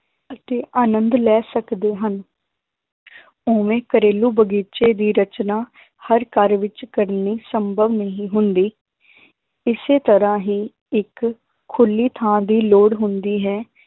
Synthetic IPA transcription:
ət̪eːʔaːnənd̪lɛːsəkd̪eːɦən | oːʋẽːkəɾeːluːbəɡiːt͡ʃeːd̪iːɾət͡ʃnaː | həɾkəɾʋɪt͡ʃkəɾniːsəmbʱəʋnəɦĩːɦʊnd̪iː | ɪseːt̪əɾãːɦiː | ɪkʰː | ʊlːiːt̪ʰãːd̪iːloːɽɦʊnd̪iːɦɛː

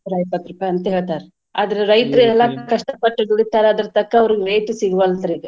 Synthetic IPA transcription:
ɾɐjpɐt̪ɾɐpːɐɐnt̪ɐɦeːɭt̪aːɾe | a̰ːd̪ɐɾeɾɐjt̪ɐɾɐɛlːɐkɐʂʈɐpɐʈːɐd̪uɽit̪ːaːɾɐd̪ɐɾɐt̪ɐkːɐɐʋɐɾiɡeɾɐjʈ̪siŋɡʋɐlt̪ɐɾiɡe

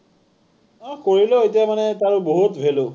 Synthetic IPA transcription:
akoɹiloet̬ijamanɛtaɹuboɦutbʱelʊ

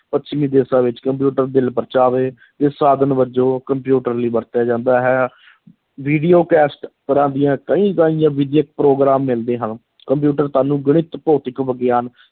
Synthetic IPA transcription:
pətːʃʰmĩːd̪eːsãːʋɪt͡ʃkəmpjuːʈəɾd̪ɪlpəɾt͡ʃaːʋeː | t̪eːsaːd̪ənbəd͡ʒoːkəmpjuːʈəɾliːbəɾt̪jaːd͡ʒãːnd̪aːɦɛː | ʋiːɖiːoːkɛːsʈt̪əɾãːd̪ijãːkəĩːkaːĩjãːʋɪd̪jək̚pɾoːɡɾaːmːɪld̪eːɦən | kəmp̬juːʈəɾt̪aːnũːɡəɽ̃ɪt̪poːt̪ɪkʋəɡjaːn

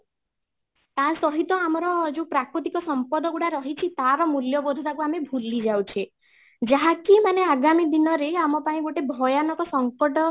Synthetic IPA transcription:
t̪ãsɔɦit̪ɔamɔɾɔd͡ʒewpɾakɾɔt̪ikɔsɔmpɔd̪ɔɡuɽaɾɔɦit͡ʃʰit̪aɾɔmuljɔbod̪ʱɔt̪akuamebʱulid͡ʒawt͡ʃʰe | d͡ʒaɦakimaneaɡamid̪inɔɾeamɔpaĩɡoʈebʱɔjanɔkɔsɔŋkɔʈɔ

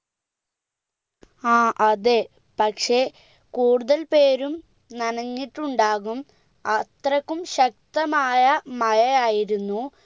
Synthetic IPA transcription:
aːʔɐðe | pɐkʂe̞ | kuːɽuðɐlpe̞ːɾum | nɐnɐŋːiʈːuɳɖaːɣum | ɐt̪rɐkːumɕɐk̚t̪ɐmaːjɐmɐjɐjaːjiɾunːu

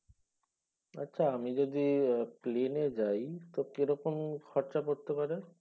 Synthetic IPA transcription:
a̰tːɕʰaamid͡ʑod̪iplened͡ʑajt̪okeɾɔkomkʰɔɾt͡ɕakoɾt̪epaɾe

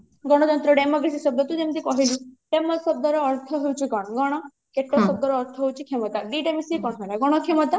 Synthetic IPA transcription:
ɡɔɽ̃ɔt̪ɔnt̪ɾɔɖemokɾesisɔb̚d̪ɔt̪ud͡ʒemt̪ikɔɦiluɖemɔsɔb̚d̪ɔɾɔːɾt̪ʰɔɦewt͡ʃʰiɡɔɽ̃ɔɡɔɽ̃ɔ | keʈːɔsɔb̚d̪ɔɾɔːɾt̪ʰɔɦewt͡ʃʰikʰemɔt̪aɖiʈemisikɔɽ̃ɔɦelaɡɔɽ̃ɔkʰemɔt̪a

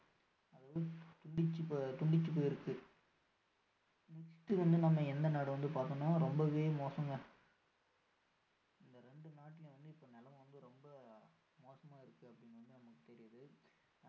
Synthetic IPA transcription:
ɐðɐʋɐɯt̪ʊɳɖɪt͡ʃːɯpːt̪ʊɳɖɪt͡ʃːɯp̬ːoːjɪɾɯkːɯ | nɛksʈɯʋɐnd̪ɯnɐmːɐɛnd̪ɐnaːɽɯʋɐnd̪ɯpaːɾk̪ɐnõːɾɔmbɐʋeːmoːsɐŋɡɐ | ɪnd̪ɐɾɛɳɖɯnaːʈːɪlʋɐnd̪ɯɪpːoːnɛlɐmʋɐnd̪ɯɾɔmbɐ | moːsɐmaːɪɾɯkːɯɐpːɐɽɪnːʋɐnd̪ɯnɐmɐkːɯt̪ɛɾɪjɐðɯ

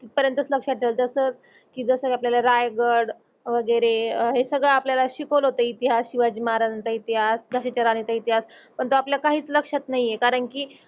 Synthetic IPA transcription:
t̪ipəɾjənt̪ət͡sləkʂat̪ʰːelt̪əsəːt͡s | kiːd͡zəsəkapljalaɾajɡəɾɽ | ʋəɡəɾeɦesəɡɭəapljalaɕikolɦot̪əit̪iɦasɕiʋad͡ʑimaɾant͡sait̪iɦasd͡zʱaɕet͡ɕəɾaɽ̃it͡sait̪iɦaspəɳt̪oapljakaɦiːt͡sləkʂat̪naɦijekaɾəɳkiː

